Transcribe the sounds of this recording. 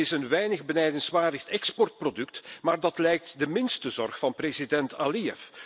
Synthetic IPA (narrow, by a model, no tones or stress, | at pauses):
ɪsənʋɛjnəɣbənɛjdənsʋaːrdəxtɛkspɔrt̚prodɵk̚tmaːrdɑtlɛjk̚tdəmɪnstəzɔrxfɑnprezidɛntaliɛf